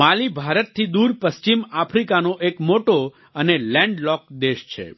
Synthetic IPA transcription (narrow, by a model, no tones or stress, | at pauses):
alibʱaɾət̪̚t̪ʰːid̪uɾpəst͡ʃimapʰɾikanoʔekmoʈo | ənelɛ̃ɳɖlɔkd̪eʃt͡ʃʰḛ